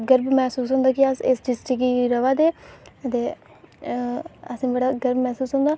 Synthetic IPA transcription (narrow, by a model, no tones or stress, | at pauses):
ɡəɾbmɛːsuːsɦʊ̃nd̪aːkɪəsɪsd͡ʒɪsʈɪkiːɾəʋaːd̪eːət̪eː | əsĩːbəɽaːɡəɾbmɛːsuːsɦõːnd̪aː